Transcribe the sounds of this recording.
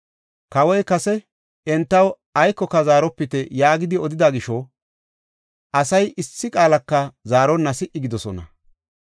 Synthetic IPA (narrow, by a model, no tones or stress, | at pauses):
kɐwɔjkɐsɛ | ɛnt̪ːɐw | ɐjkːɔkːɐzaːɾɔpːɪt̪ɛjaːɡɪd̪ɪɔd̪ɪd̪ɐɡɪʃɔ | ʔɐsɐjʔɪsːɪkʼaːlɐkːɐzaːɾɔnːɐsɪʔɪɡɪd̪ɔsɔnɐ̰